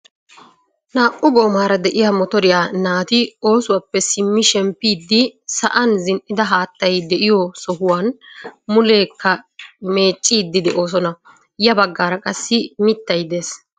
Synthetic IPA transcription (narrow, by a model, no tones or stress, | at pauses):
naːʔʊɡo̞ːmaːɾɐd̪ɛʔɪjaːmɔt̪ɔɾɪjaːnaːt̪ɪo̞ːsʊwapːɛsɪmːɪʃɛmpːiːd̪ːɪsɐʔɐnzɪnʔɪd̪ɐɦaːt̪ːɐjd̪ɛʔɪjɔsɔhʊwaːnmʊle̞ːkːɐme̞ːt͡ʃʼːiːd̪ːɪd̪ɛʔo̞ːs̬ɔnɐ | jɐbɐɡːaːɾɐkʼɐsːɪmɪt̪ːɐjd̪eːs